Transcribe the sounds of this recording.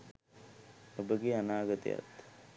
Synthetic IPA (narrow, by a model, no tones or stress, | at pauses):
əbəɡianaɡət̪ḛja̰t̪